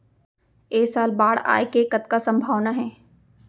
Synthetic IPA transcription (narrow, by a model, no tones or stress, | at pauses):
eːsaːlbaːɽ̤a̰ːekekɐt̪kasɐ̃mbʱaːʋnaɦɛː